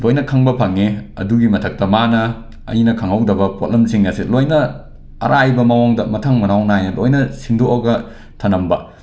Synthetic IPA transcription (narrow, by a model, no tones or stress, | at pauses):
lojnɐkʰɐŋbɐpʰɐŋeɐ̰duɡimɐtʰɐk̚tɐmanɐ | ɐ̰inɐkʰɐŋɐwdɐbɐpot̚lemsiŋjasitlojnɐ | ɐ̰ɾajbɐmɐwaŋdɐmɐtʰɐŋmɐnawnajnɐlojnɐsindoʔɐɡɐ | tʰɐnɐmbɐ